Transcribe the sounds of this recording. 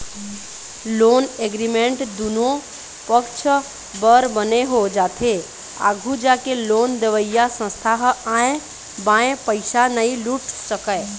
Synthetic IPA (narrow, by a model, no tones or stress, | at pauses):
loːneːɡɾimẽɳʈd̪uno | pəkt͡ʃʰ | bəɾbəneɦod͡ʒaːt̪ʰe | a̰ːɡʱud͡ʒaːkeloːnd̪eʋəijasə̃st̪ʰaɦaːẽ | bãːẽpəɪʃanəĩluʈʰsəkəe